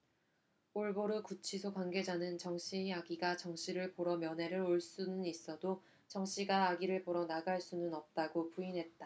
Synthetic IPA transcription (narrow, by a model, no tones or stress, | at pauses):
oɭboɾukut͡ɕʰisʰokwanɡe̞d͡ʑanɯnt͡ɕʌŋɕ͈ʰiaɡiɡat͡ɕʌŋɕ͈ʰiɾɯɭpoɾʌmjʌnɦe̞ɾɯɾoɭs͈unɯnis͈ʌdo | t͡ɕʌŋɕ͈iɡaːɡiɾɯɭpoɾʌnaɡaɭs͈unɯnʌp̚t͈aɡopuinɦe̞t̚t͈a